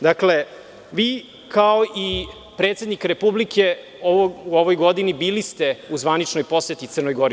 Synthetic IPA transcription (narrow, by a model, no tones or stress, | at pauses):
d̪akle̞ | ʋiː | kʰaoʔi | pɾet̪se̞d̪nikɾe̞publike̞ | ooʋojɡod̪inibiːlist̪e̞uzʋanit͡ʃnojpo̞set̪it̪sər̩nojɡo̞ɾi